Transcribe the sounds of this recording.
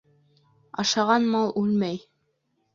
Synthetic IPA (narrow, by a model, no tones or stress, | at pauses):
ɑ̰ʃɑʁɑnmɑlˠʉlmæj